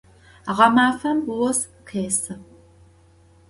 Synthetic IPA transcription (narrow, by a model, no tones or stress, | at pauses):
aʁɐmaːfɐmwɔs | qʰeːsɨ